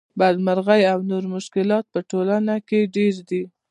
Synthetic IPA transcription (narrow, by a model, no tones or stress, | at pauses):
bad̪maɾɣajawnoɾmʊʃkɪlɑt̪̚pəʈolanakeɖeɾd̪i